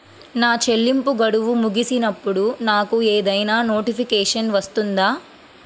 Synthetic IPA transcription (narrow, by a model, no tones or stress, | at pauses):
naːt͡ʃelːimpuɡɐɽuʋumuɡisinɐpːuɽunaːkueːd̪ɐjnaːno̞ːʈipʰikɛːʂɐnʋɐst̪und̪aː